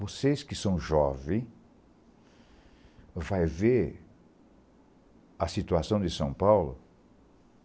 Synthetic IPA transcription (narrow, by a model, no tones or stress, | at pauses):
vosejskɪsɐ̃w̃ʒɔvɪ̃ | vajve | ɐsit̪uasɐ̃w̃d̪ɪsɐ̃pawlʊ̰